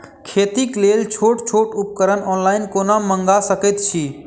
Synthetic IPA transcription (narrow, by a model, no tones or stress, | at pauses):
kʰet̪iklelt͡ʃʰoʈt͡ʃʰoʈup̚kəɾənɔnlainkonaməŋɡasəkɛt̪t͡ʃʰi